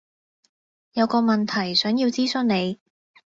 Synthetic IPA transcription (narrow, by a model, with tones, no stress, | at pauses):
jɐ˨˧wkɔː˧mɐ˨nt̪ʰɐ˨˩jsœː˨˥ŋji˧wt͡siː˥sɵ˥ŋne˨˧j